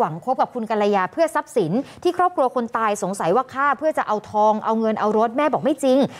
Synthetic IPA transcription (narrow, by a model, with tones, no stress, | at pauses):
wa˩˦ŋkʰo˦˥p̚ka˨˩p̚kʰu˧nka˧la˧jaː˧pʰɯ˥˩ɐsa˦˥p̚si˩˦nt̪ʰiː˥˩kʰɾɔː˥˩p̚kʰɾu˧ɐkʰo˧nt̪aː˧jso˩˦ŋsa˩˦jwaː˥˩kʰaː˥˩pʰɯ˥˩ɐt͡ɕa˨˩ʔa˧wt̪ʰɔː˧ŋʔa˧wŋɤ˧nʔa˧wɾo˦˥t̪̚mɛː˥˩bɔː˨˩k̚ma˥˩jt͡ɕi˧ŋ